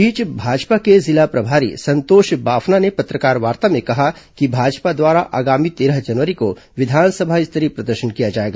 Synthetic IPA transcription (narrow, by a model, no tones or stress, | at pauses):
biːt͡ʃbʱaːd͡ʒpakezɪlapɾɐbʱaːɾḭsɐ̃nt̪oːʃbaːfʰnanepɐt̪ɾəkaːɾʋaːɾt̪amẽkɐɦakibʱaːd͡ʒpad̪waːɾaʔa̰ːɡaːmit̪eːɾəɦd͡ʒɐnʋəɾiko | ʋɪd̪ʱaːnsəbʱaɪst̪əɾipɾɐd̪əɾʃənkijad͡ʒaːeːɡaː